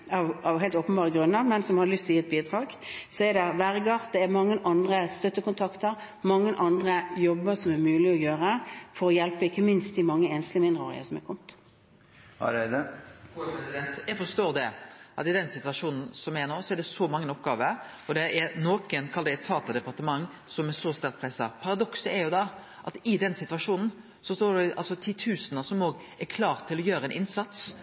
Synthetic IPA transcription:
ɑʋɑʋɦeɪlt̪oːpənbɑːʁəɡɾʉnːəɾmɛnsɔmhɑlʏst̪ʰɔjiːɛt̪̚biːd̪ɾɑːɡ | sɔɛd̪ɛʋæɾɡɑːʁ̚d̪ɛɛmɑŋːəʔɑnd̪ɾəst̪œt̪ːəkʊnt̪ʰɑkt̪əɾ | mɑŋːənʔɑnd̪ʁəjɔbːəsɔmæɾmʉːlɪɔjøːɾəfɔɾɔjɛlpəɪkːəmɪnst̪̚d̪ɪmɑŋːəeːnst̪lɪəmɪnd̪ʁəo̰ːʁɪ̰ə̰sɔmɛkʰɔmt̪ | d̪əopɾɛsɪd̪ɛnt̪jæfɔɾʂt̪oːd̪ɛʔɑt̪ɪd̪ɛnsɪt̪ʋɑʂuːnn̩sɔmɛnoːsɔɛɾd̪ɛsɔmɑŋːənɔpɡɑːʋə | ɔd̪ɛʔɛɾnoːkənkʰɑld̪ɛt̪ʰːɑːt̪ɑd̪ɛpɑɾt̪əmɑŋː | sɔmɛsɔst̪æɾk̪̚pʰɾɛsːɑ̰pʰɑɾɑd̪ɔksəɛɾjʊd̪ɑ | ʔɑt̪ɪd̪ɛnsɪt̪ʋɑʂuːnn̩ | sɔst̪oːɾɖɛʔɑ̰lsɔt̪ʰɪt̪ʰʉːsənəsɔmoːɡ | ɛkʰlɑːɾt̪ʰːɪlɔjøːɾəɛnʔɪnsɑt̪s

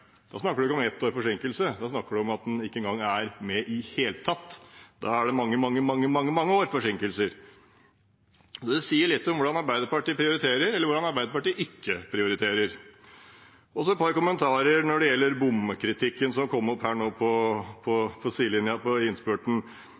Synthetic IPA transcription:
d̪̥ɑ̰snɑkːəɖʉɪkːəɔmɛt̪ʰːoːɾfɔʂɪŋkəlsəd̪ɑsnɑkːəɖʉɔmɑt̪̚d̪ɛnɪkːəɛŋɡɑŋːæɾmɛʔɪheːlt̪ʰɑt̪ːd̪ɑæɖɛmɑŋːəmɑŋːəmɑŋːəmɑŋːəmɑŋːəoːɾfɔʂɪŋkəlsəɾ | sɔd̪ɛsiːəɭɪt̪ːɔmʋʊɖɑnɑɾbæɪd̪əɾpɑʈiːpʰɾɪʊɾɪt̪ʰeːɾəɾɛlːəʋʊɖɑnɑɾbæɪd̪əpɑʈiːʔɪkːəpʰɾɪʊɾɪt̪ʰeːɾəɾ | ɔsɔɛt̪pʰɑɾkʊmːənt̪ʰɑːɾəɾnɔɖɛjɛlːəɾbʊmːəkʰɾɪt̪ʰɪkːənsɔmkʰɔmːɔphæːɳoːpʰɔpʰɔfʰɔsiːlɪnjɑpɔɪnspøːʈɳ̩

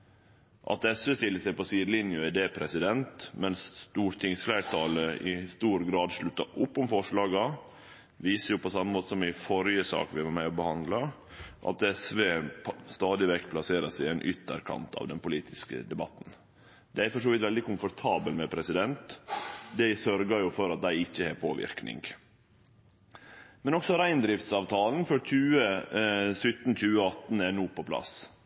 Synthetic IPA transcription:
ʔɑ̰t̪ɛsʋeːst̪ɪlːəsæɪpɔsiːd̪lɪnjʊæd̪eːpʰɾɛsɪd̪ɛnt̪mɛnsst̪uːɾt̪ʰɪŋsflæɪɾt̪ʰɑːləɪst̪uːɾɡɾɑːd̪ʂɭʉt̪ːɑʔʊpːʊmfɔʂɭɑːɡɑ | ʋiːsəɾjʊpʰɔsɑmːəmoːt̪ə̥sɔmɪfɔɾjəsɑ̰ːkʋɪʋɑɾmæɪɔbəhɑnd̪lɑ | ʔɑ̰t̪ɛsʋeːst̪ɑːd̪ɪʋɛkːpʰlɑseːɾəsɪæɪnʔʏt̪ːə̰ɾkʰɑ̰nt̪ʰɑ̰ːʋd̪ɛnpʊliːt̪ʰɪskə̰d̪ɛbɑ̰t̪ːn̩ | d̪ɛæɾfɔʂ̬oːʋɪt̪ʋɛld̪ɪkʊmfɔɾt̪ʰɑːbəlmɛpʰɾɛsɪd̪ɛnt̪d̪æɪsœɾɡəɾjʊfɔɾɑt̪̚d̪æɪɪçːəheːɾpʰoːʋɪ̰ɾknɪ̰ŋɡ | mɛnɔksɔɾæɪnd̪ɾɪft̪sɑːʋt̪ʰɑːln̩fɔɾc͡çʰʉːə | sʏt̪ːn̩c͡çʉːəɑt̪n̩ænuːpɔpʰlɑ̰s

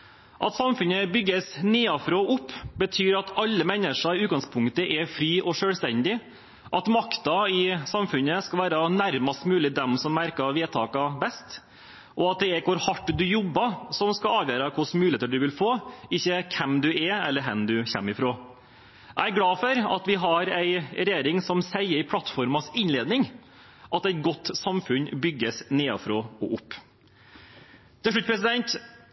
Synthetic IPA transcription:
ʔɑt̪sɑmfʉnəbʏɡːəsniːɑfɾoːʔʊpːbət̪ʰyːɾɑt̪ʰɑlːəmɛnəʂɑɪʉːt̪ɡɑŋspʰʊŋt̪əʔɛɾfɾiːʔɔʂøːlst̪ɛnd̪ɪ | ʔɑt̪mɑkt̪ɑɪsɑmfʉnːəskɑʋæːɾɑnæɾmɑst̪mʉːlɪd̪ɛmsɔmːæɾkɑʋeːt̪ʰɑ̰ːkɑbɛst̪ | ʔɔɑt̪̚d̪ɛɛɾkʰʊɾhɑʈːd̪ʉjɔbːɑsɔmskɑɑːʋjeːɾɑkʰʊsmʉːleːt̪əɖʉʋɪlfoːɪçːəkʰɛmd̪ʉɛɛlːəɾɦɛmd̪ʉçɛ̰mːɪfɾoː | æɪæɾɡlɑːfœɾɑ̰t̪ʋɪɦɑɾæɪɾɛjeːɾɪŋsɔmsæɪəɾɪpʰlɑt̪ːfɔɾmɑsɪnleːd̪nɪŋ | ʔɑt̪æɛɪt̪̚ɡɔt̪ːsɑmfʉnbʏɡːəsneːɑ̰fɾoːɔʔʊpː | t̪ʰɪlʂɭʉt̪̚ːpʰɾɛs̬ɪd̪ɛnt̪

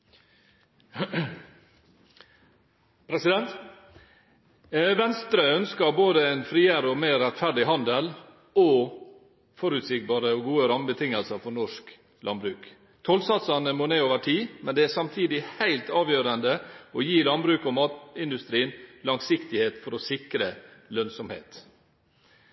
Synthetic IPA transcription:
pʰɾɛsɪd̪ɛnt̪ | ʋɛnst̪ɾəœnskɑɾboːd̪əæɪnfɾiːəɾəɔmeːɾɛt̪fæɾɖɪɦɑnd̪əl | ɔ | fɔɾʉt̪sɪk̚bɑːɾəɔɡuːəɾɑməbət̪ʰɪŋəlsəɾfɔɳɔʂk | lɑ̰nbɾʉːk | t̪ʰɔlsɑt̪sɑnəmoːneːoːʋəʈʰiːmɛnd̪ɛæsɑmt̪ʰiːd̪ɪhæɪlt̪ɑːʋjøːɾənd̪əɔjiːlɑnbɾʉːkɔmɑːt̪ɪnd̪ʉst̪ɾiːənlɑŋsɪkt̪ɪheːt̪fɔɾɔsɪkɾəlœnsɔmhḛːt̪

